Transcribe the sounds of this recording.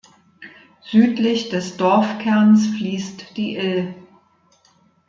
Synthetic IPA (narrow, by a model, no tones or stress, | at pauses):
z̥yːtlɪçd̥ɛsd̥ɔɐfkʰɛɐnsfliːstd̥iːʔɪl